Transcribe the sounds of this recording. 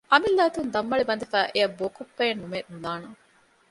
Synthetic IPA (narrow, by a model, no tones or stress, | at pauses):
ʔɐmilːæːt̪und̪ɐmːɐɭibɐnd̪ifæːʔeɐbːoːkopːɐjɐnːumeːnulaːnɐ